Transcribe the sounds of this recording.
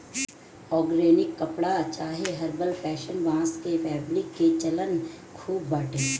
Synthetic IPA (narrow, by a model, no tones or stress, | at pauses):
ɔːɡɾeːnɪkːɐpɽat͡ʃaːɦeɦɐɾbəlpɛːʃənʋãːskefɛːbɾɪkːet͡ʃɐlən | kʰuːbːaːʈẽː